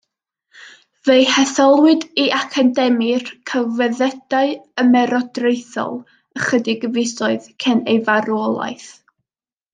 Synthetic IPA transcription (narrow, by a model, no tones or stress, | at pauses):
vejhɛθɔlˠwɨdiʔakʰadɛmirkʰəvɛðɛd̥aɨəmɛɾɔdrejθɔ̰lˠ | əχədɪɡəvɪjsɔɨðkʰɛnejvaɾɔlˠa̰ɨθ